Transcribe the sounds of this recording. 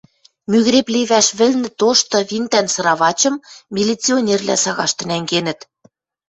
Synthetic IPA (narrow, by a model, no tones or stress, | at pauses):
myɣɾepleβæʃβɘ̆lnɘ̆t̪oʃt̪ɤ̆βint̪ænsɤ̆ɾɑβɑt͡ɕɤ̆mːʲilʲit͡sionʲervlʲæ̰sɑɣɑʃt̪ɤ̆næŋɡenɘ̆t̪